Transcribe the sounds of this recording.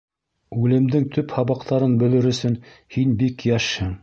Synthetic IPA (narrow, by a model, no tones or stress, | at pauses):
ʉlɘ̆md̪ɘŋt̪ɵphɑβɑqt̪ʰɑɾɤnbɵ̆lɘɾɵ̆sɵnhinbikjæʃhɘŋ